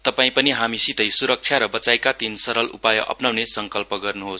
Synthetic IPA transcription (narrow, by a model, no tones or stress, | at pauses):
t̪ʌpaĩpʌniɦamisit̪ʌjsuɾʌk̚t͡sʰjaɾʌbʌt͡saekat̪insʌɾʌlṵpajʌʔʌ̰pnawnesʌŋkʌlpʌɡʌrnuɦos